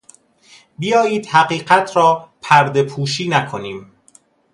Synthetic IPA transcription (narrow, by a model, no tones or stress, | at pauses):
bijɒːjiːd̪̥hæɢiːɢæt̪ʰɾɒːpʰæɾd̪e̞pʰuːʃiːnækʰo̞niːm